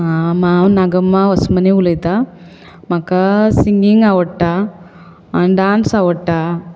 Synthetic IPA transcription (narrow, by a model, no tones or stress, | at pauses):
amanaɡɐmːaʋɐsmɐneulɐjt̪a | mɐkːasiŋɡiŋɡaʋɐʈːa | ɖaːnsawɐʈːa